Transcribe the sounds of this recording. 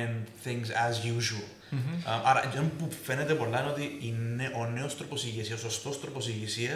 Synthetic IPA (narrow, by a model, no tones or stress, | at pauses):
nθĩŋɡsɐzjuʒul | ʔɐɾɐ̰d͡ʒompufenet̪epo̞lːɐino̞t̪iineʔo̞ne̞ost̪ɾoposiʝisisosost̪o̞st̪ɾoposiʝisiɐ